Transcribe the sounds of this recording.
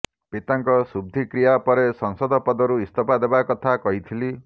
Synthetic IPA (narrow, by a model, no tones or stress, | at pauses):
pit̪aŋkɔsub̚d̪ʱikɾijapɔɾesɔŋsɔd̪ʱɔpɔd̪ɔɾuist̪ʰɔpad̪ebakɔt̪ʰakɔɦit̪ʰili